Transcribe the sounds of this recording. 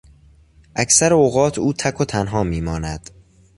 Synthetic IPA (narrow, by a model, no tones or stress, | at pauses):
ʔæcsæɾeoːɣɒːt̪ʰuːt̪ʰækʰot̪ʰænɦɒːmiːmɒːnæd̪̥